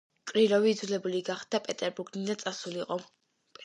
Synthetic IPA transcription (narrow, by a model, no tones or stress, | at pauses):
kʼɾiɾɔviːd̪zulɛbuliɡaχd̪apʼɛt̪ʼɛɾbuɾɡnid̪at̪sʼasuliqʼɔ | pʼ